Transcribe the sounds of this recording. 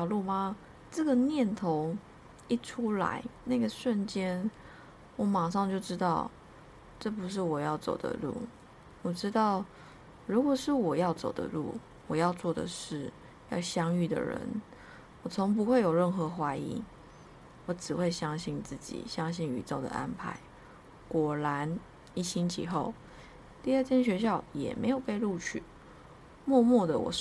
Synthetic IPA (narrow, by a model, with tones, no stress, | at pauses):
ʊlu˥˩ma˨ | ʈ͡ʂə˥˩ɡə˨njɛ˥˨nt̪ʰo˧˥˦ʊ | i˥ʈ͡ʂʰu˥la̰˧˦ɪna˥˩ɡə˩ʂwə˥˨nt͡ɕjɛ˥n | wɔ˨˩˦ma˨˩ŋʂɑ˥˧ŋt͡ɕjo˥˩ʊʈ͡ʂɻ̩˥t̪ɑ˥˩ʊ | ʈ͡ʂɤ˥˩pu˧˦ʂ̬ɻ̩˥˩wɔ˨˩jɑ˥˩ʊt͡so̰˨˩ʊd̪ə̰˦lṵ˥˩ | wɔ˨˩ʈ͡ʂɻ̩˥t̪ɑ˥˩ʊ | ɻu˧˥kwɔ˨˩ʂɻ̩˥˩wɔ˨˩jɑ˥˩ʊt͡so̰˨˩ʊd̪ə̰˦lṵ˥˩ | wɔ˨˩jɑ˥˧ʊt͡swɔ˥˩d̪ə̰˨ʂɻ̩˥˩ | jɑ˥˧˩ʊɕjɑ˥ŋy˥˩d̪ə̰˨˩ɻə̰˧˥n | wɔ˨˩t͡sʰo˧˥ŋp̬u˧˥xwe˥˩ɪjo˨˩ʊɻə˥˩nxɤ˧˥xwa˧˥ɪḭ˧˥ŋ | wɔ˧˥ʈ͡ʂɻ̩˨˩we˥˩ɪɕjɑ˥ŋɕi˥˩nt͡sɹ̩˥˩t͡ɕḭ˨˩ɕjɑ˥ŋɕi˥˩ŋy̰˨˩t͡so˥˩ʊd̪ə̰˩ʔa̰˦npʰa˧˥˦ɪ | kwɔ˨˩la˧˦n | i˥˩ɕi˥nt͡ɕʰḭ˨˩xo˥˩ʊ | t̪i˥˧ə˥˩t̪ʰjɛ˥nɕ̬ɥɛ˧˥ɕ̬jɑ˥˩ʊjɛ̰˨˩me˧˥ɪjo˨˩ʊpe˥˧ɪlu˥˧t͡ɕʰy̰˥˩ | mwɔ˥˧mwɔ˥˩d̪ə˩wɔ̰˨˩